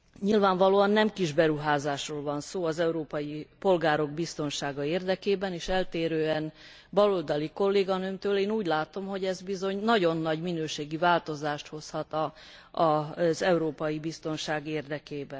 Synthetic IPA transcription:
ɲilvaːɱvɒloːɒnːɛmkiʒbɛɾuɦaːzaːʃroːlvɒnsoːɒzɛuɾoːpɒjipo̞lɡaːɾo̞ɡbist̪o̞nʃaːɡɒeːrd̪ɛkeːbɛneːʃɛlt̪eːɾøːɛn | bɒlold̪ɒliko̞lːeːɡɒnømt̪øːleːnuːɟlaːt̪o̞mɦo̞ɟɛzbizo̞ɲnɒɟo̞nːɒɟminøːʃeːɡivaːlt̪o̞zaːʃt̪ho̞shɒt̪ɒ | ɒzɛuɾoːpɒjibist̪o̞nʃaːɡeːrd̪ɛkeːbɛn

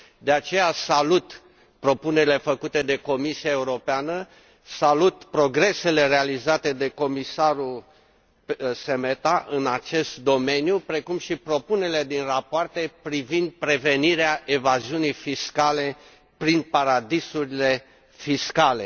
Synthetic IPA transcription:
d̪e̞at͡ʃe̞jasalut̪ | pɾo̞pune̞ɾile̞fəkut̪e̞d̪e̞ko̞misiae̞uɾo̞peanə | salut̪pɾo̞ɡɾe̞se̞le̞realizat̪e̞d̪e̞ko̞misaɾul | se̞met̪aʔɨnat͡ʃe̞st̪̚d̪o̞me̞njupɾe̞kumʃipɾo̞puneɾile̞d̪inrapoart̪e̞pɾivind̪̚pɾe̞ve̞niɾeaʔe̞vaziunijfiskale̞ | pɾinpaɾad̪isuɾile̞ | fiskale̞

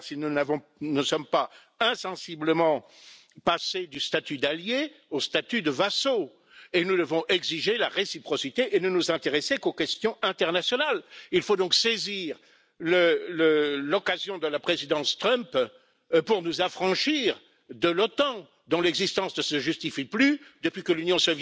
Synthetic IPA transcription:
sinunavɔ̃nəsɔmpa | ɛ̃sɑ̃sibləmɑ̃ | pased̪yst̪at̪yd̪aljeost̪at̪yd̪əvaso | enud̪əvɔ̃ʔɛɡziʒelaʁesipχɔsit̪eʔenənuzɛ̃t̪eʁɛsekokʲɛst̪jɔ̃ɛ̃t̪ɛʁnasjɔnalilfod̪ɔ̃kseziʁ | lələlɔkazjɔ̃d̪əlapχezid̪ɑ̃st̪χœmp | puʁnuzafχɑ̃ʃiʁ | d̪əlɔt̪ɑ̃ | d̪ɔ̃lɛɡzist̪ɑ̃snəsəʒyst̪ifiplyd̪əpɥikəlynjɔ̃sɔvj

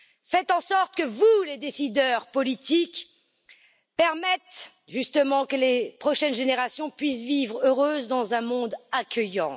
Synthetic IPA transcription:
fɛt̪ɑ̃sɔʁt̪əkəvuled̪esid̪œʁpɔlit̪ik | pɛʁmɛt̪ | ʒyst̪əmɑ̃kəlepχɔʃɛnʒeneʁasjɔ̃pɥisvivʁøʁøzd̪ɑ̃zɛ̃mɔ̃d̪akʲəjɑ̰̃

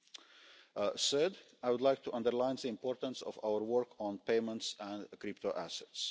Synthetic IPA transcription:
sɜd | aɪwʊdlaɪk̚tʰuʔʌ̃ndəɹlãɪ̃nðiɪ̃mpɔːɹtə̃nsɔ̰va̰ʊəɹwəɹkʰɔ̃n̩peɪmə̃ntsæ̃ndkɾɪp̚tʰoʔæsɛts

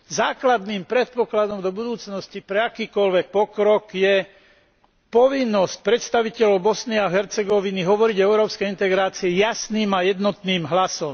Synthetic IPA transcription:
zaːklad̪niːmpɾɛt̪̚pɔklad̪ɔmd̪ɔbud̪uːt͡snɔscipɾɛakiːkɔlʋɛk̚pɔkɾɔkjɛ | pɔʋinːɔsc̚pɾɛt̪st̪aʋicɛlɔʊbɔsniaɦɛɾt͡sɛɡɔʋiniɦɔʋɔɾiɟɔɛʊɾɔːpskɛjint̪ɛɡɾaːt͡siɛjasniːmajɛd̪nɔt̪niːmɦlasɔm

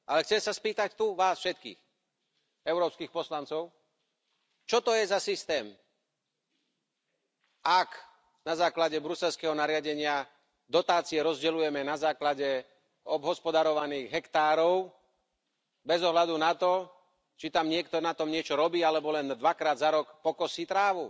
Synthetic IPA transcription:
ʔalɛxt͡sɛmsaspiːt̪act̪uʋaːsfʃɛt̪kḭːx | ɛʊɾɔːpskiːxpɔslant͡sɔʊ | t͡ʃɔt̪ɔjɛzasist̪ɛːm | ak | nazaːklaɟɛbɾusɛlskɛːɦɔnaɾɪaɟɛɲɪa | d̪ɔt̪aːt͡siɛɾɔzɟɛlujɛmɛnazaːklaɟɛ | ɔbɦɔspɔd̪aɾɔʋaniːɣɦɛkt̪aːɾɔʊ | bɛzɔɦlad̪unat̪ɔ | t͡ʃit̪amɲɪɛkt̪ɔnat̪ɔmɲɪɛt͡ʃɔɾɔbiːalɛbɔlɛnd̪ʋakɾaːd̪zaɾɔkpɔkɔsiːt̪ɾaːʋu

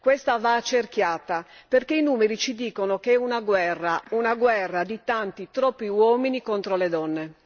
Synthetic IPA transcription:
kwɛst̪avat͡ʃːerkjaːt̪a | perkeinuːmeɾit͡ʃid̪iːkonokeɛunaɡwɛrːaunaɡwɛrːad̪it̪ant̪it̪ɾɔpːiwɔːminikɔnt̪ɾoled̪ɔnːe

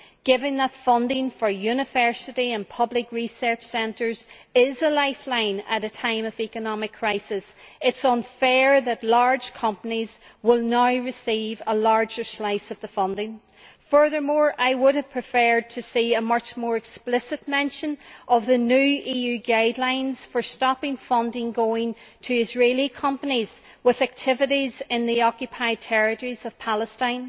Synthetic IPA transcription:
ɡ̥ɪvɪ̃ŋðətfʌ̃ndɪ̃ŋfə˞jʉnɨvɜ˞sɨɾiə̃npʰʌblɪkɹisɜ˞t͡ʃsɛ̃ntə˞zɪzəlaɪflãɪ̃nə̰ɾɨtʰãɪ̃mʌvikɨnɑmɨkʰɹ̥aɪsɪs | ɪtsn̩fɛɹðətˡlaɹ̥ʒ̥kʰʌ̃mpənizwɪlˠnaʊɹɨsivəlaɹd͡ʒə˞slaɪsʌvðəfʌ̃ndɪ̃ŋ | fɜ˞ðə˞mɔɹʔaɪwʊɾəv̥pʰɹ̥ɨfɛ˞d̚tʰɨsiəmʌt͡ʃmɔɹɨksplɪsɨt̚mɛ̃nʃə̃nʌvðənʉʔijʉɡaɪdˡlãɪ̃nz̥fə˞stɑpɪ̃ŋfʌ̃ndɪ̃ŋɡoɪ̃ŋtʰɨɪzɹeɪlˠikʰʌ̃mpəniz̥ | wɪðæk̚tʰɪvɨɾizɪ̃nðiɔkjɨpʰaɪd̚tʰɛɹɪtəɹiz̥ʌv̥pʰalˠəstãɪ̃n

